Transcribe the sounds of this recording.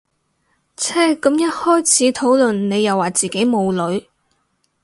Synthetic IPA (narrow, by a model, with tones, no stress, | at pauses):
t͡sʰɛː˥kɐ˨˥mjɐ˥t̚hɔː˥jt͡sʰiː˨˥t̪ʰo˨˥wlɵ˨nne˨˧jːɐ˨wːaː˨˩t͡siː˨ke˨˥jmo˨˧wlɵ˨˧ɥ